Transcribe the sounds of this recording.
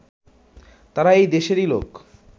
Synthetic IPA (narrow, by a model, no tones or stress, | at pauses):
t̪aɾaejd̪eʃeɾilo̰k